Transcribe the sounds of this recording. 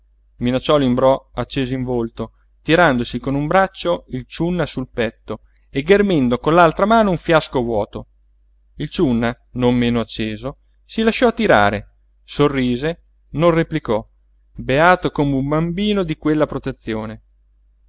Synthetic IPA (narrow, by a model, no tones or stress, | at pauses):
minat͡ʃːɔlimbɾɔat͡ʃːeːzoiɱvolt̪o | t̪iɾand̪osikonumbɾat͡ʃːoilt͡ʃunːasulpɛt̪ːo | eɡːermend̪okonlalt̪ɾamaːnouɱfjaskovwɔːt̪o | ilt͡ʃunːa | nomːeːnoat͡ʃːeːzo | silaʃːɔat̪ːiɾa̰ːɾe | sorːiːze | nonrːeplikɔ | beaːt̪okomeumbambiːnod̪ikwelːapɾot̪et̪sːjoːne